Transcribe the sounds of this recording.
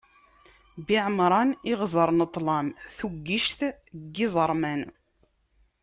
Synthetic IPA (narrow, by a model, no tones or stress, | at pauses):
biʕəmɾˤɑnɪʁzˤəɾˤnət̪ˤːlɑmθuɡːiʃθ | ɡːizˤəɾˤmæn